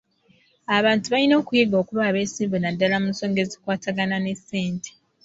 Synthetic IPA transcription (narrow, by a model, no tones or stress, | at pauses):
aβaːntuβalino̞ːkujeɡo̞ːkuβaːβe̞ːsiːmbunadːalamunso̞ːŋɡe̞zikwaːtaɡanane̞sːe̞ːntʰe̥